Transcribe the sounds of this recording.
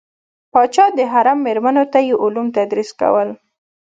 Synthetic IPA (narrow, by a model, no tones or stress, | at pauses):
pɑt͡ʃɑd̪əɦaɾamːeɾmanot̪ajeʔʊlumt̪ad̪ɾiska̰wəl